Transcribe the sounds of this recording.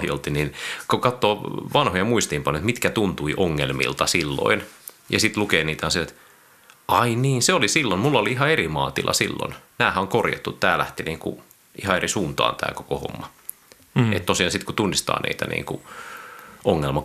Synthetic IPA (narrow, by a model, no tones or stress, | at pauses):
hjo̰lt̪ininkokɑt̪ːoːʋɑnhojɑmuist̪iːmpɑnjoet̪mit̪kæt̪unt̪uiʔoŋːelmḭlt̪ɑsilːo̰injɑsit̪lukeːniːt̪hɑnseet̪ | ʔɑiniːnseolisilːonmulːɑoliiɦɑerimɑ̰ːt̪ilʔɑ̰silːo̰nnæːhæoŋkorjɑ̰t̪ːut̪t̪æːlæht̪iniːŋkṵ | ʔihɑerisuːnt̪ɑ̰ːnt̪æ̰ːkokoho̰mːɑ | ḛt̪t̪osiɑnsit̪kut̪unːist̪ɑ̰ːnʔḭːt̪æ̰nʔḭːŋku | oŋːelmɑ